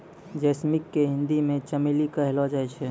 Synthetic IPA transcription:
d͡ʒɛsmikːeɦɪ̃nd̪imẽt͡ʃəmilikəɦlɔd͡ʒajt͡ʃʰɛ

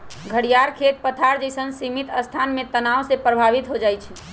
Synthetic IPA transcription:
ɡʱəɽijaɾkʰet̪̚pət̪ʰaɾd͡ʒəjsənsimit̪əst̪ʰanmet̪ənawsepɾəbʱaʋit̪ɦod͡ʒajt͡ʃʰɛ

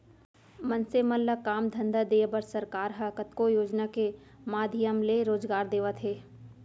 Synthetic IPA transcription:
mɐnsemɐlːəkaːmd̪ʱɐ̃nd̪ad̪eːbəɾsɐɾkaːɾɦɐkət̪kojoːd͡ʒnake | maːd̪ʱijəmleɾoːd͡ʒɡaːɾd̪eːʋət̪ʰɦeː

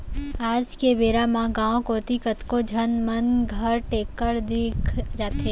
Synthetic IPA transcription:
aːd͡ʒkebeːɾamãɡãːõkoːt̪ikət̪kod͡ʒʱənmənɡʱəɾʈeːkːəɾd̪ɪkʰd͡ʒaːt̪ɦeː

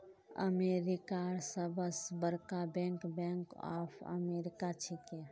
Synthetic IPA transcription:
ə̰meːɾikasəbəsbəɾkabɛ̃ːŋkbɛ̃ŋkɔ̰pʰə̰meɾɪkat͡ʃʰikɛ

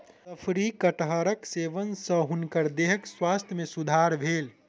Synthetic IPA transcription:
t̪əpʰɾikəʈɦəɾəkseːʋənsə̃ɦunkəɾd̪eɦəkswaːst̪ʰjmẽsud̪ʱaɾbʱeːl

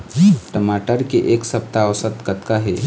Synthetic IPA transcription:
ʈəmaːʈəɾkeʔeːksɐp̚t̪aəwsət̪kət̪kaɦe

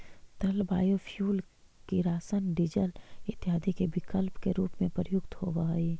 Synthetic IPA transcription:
t̪ɐlbaːjofʰjuːl | kiɾaːsənɖɪd͡ʒəlɪt̪ːɪɦaːd̪ikebɪkəlpkeɾuːpmẽpəɾjʊkt̪hobaːiː

